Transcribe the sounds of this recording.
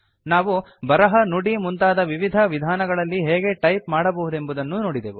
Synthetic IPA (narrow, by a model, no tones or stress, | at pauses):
naːʋu | bɐɾɐɦɐnuɽimunt̪aːd̪ɐʋiʋid̪ʱɐʋid̪ʱaːnɐɡɐɭɐlːiɦɛːɡe̞ʈɐjpmaːɽɐbɐɦud̪e̞mbud̪ɐnːunoːɽid̪eːʋu